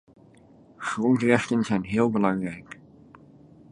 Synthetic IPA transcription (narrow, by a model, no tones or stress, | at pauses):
χrɔntrɛχtənzɛjnɦɪːlˠbəlɑŋrɛjk